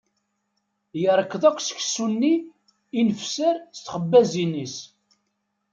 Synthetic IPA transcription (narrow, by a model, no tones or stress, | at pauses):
jəɾˤəkːðˤækʷːsə̥çsunːi | inəfsəɾst̪χəbːæzinis